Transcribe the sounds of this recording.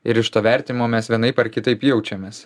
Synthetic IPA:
ɪɾɪʃt̪oːʋʲæɾʲt̪ʲɪnʲɪmoːmʲɛsʋʲiɛnɐɪpɐɾkʲɪt̪ɐɪpjɛʊt͡ʃʲɛmʲeːs

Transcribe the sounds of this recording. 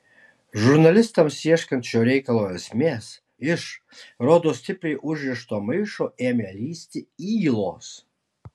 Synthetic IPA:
ʒʊɾnɐlʲɪst̪ɐmsʲiɛʃʲkʲɐnt̪t͡ʃʲoːɾʲɛɪkɐlˠoːɛsʲmʲeːs | ɪʃ | ɾoːd̪oːsʲt̪ʲɪpʲɾʲɛjʔʊʒʲʋʲɪʃt̪oːmɐɪʃoːʔeːmʲeːlʲiːsʲt̪ʲɪiːlˠoːs

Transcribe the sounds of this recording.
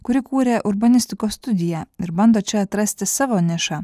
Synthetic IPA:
kʊɾʲɪkuːɾʲeʔʊɾbɐnʲɪsʲt̪ʲɪkoːst̪ʊd̪ʲɪjæɪɾbɐnd̪oːt͡ʃʲɛɐt̪ɾɐsʲt̪ʲɪsɑʋoːnʲɪʃɑː

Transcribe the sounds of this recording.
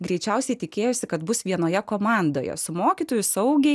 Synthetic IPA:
ɡɾʲɛɪt͡ʃʲɛʊsʲɛɪt̪ʲɪkʲeːjoːsʲɪkɐt̪bʊsʋʲiɛnoːjɛkoːmɑˑnd̪oːjɛ̰sʊmoːkʲiːt̪oːjʊsɐʊɡʲɛɪ

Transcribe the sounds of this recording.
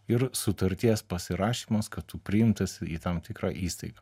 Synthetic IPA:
ɪɾsʊt̪ɐɾʲt̪ʲiɛspɐsʲɪɾɑːʃʲiːmɐskɐt̪t̪ʊpʲɾʲɪɪmt̪ɐsʲɪiːt̪ɐmt̪ʲɪkɾɑ̰ːʔiːst̪ɐɪɡɐː

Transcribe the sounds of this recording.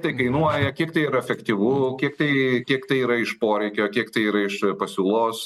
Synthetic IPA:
t̪ɐɪkɐɪnuɔjɛkʲiɛkt̪ɐɪiɾɐɛfʲɛkt̪ʲiʋʊːkʲiɛkt̪ɐɪkʲiɛkt̪ɐɪiːɾɐɪʃpoːɾʲɛɪkʲoːkʲiɛkt̪ɐɪiːɾɐɪʃpɐsʲuːlˠoːs

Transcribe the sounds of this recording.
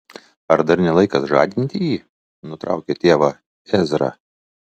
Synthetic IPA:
ɐɾd̪ɐɾnʲɛlˠɐɪkɐsʒɑ̰ːd̪ʲɪnʲt̪ʲɪjiː | nʊt̪ɾɑ̰ˑʊkʲɛt̪ʲeːʋɐ | ɛzʲɾɑ̰

